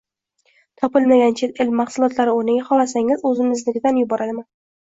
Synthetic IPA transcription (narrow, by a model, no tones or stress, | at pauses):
t̪ʰɒpɪlmaɡʲant͡ʃʰet̪ɪlmːaχsʊlˠɒt̪ʰlaɾɪonɪɡʲaχɒlasaŋɪzɵzɪmɪzlɪɡʲd̪anjʊbɒɾad̪ɪman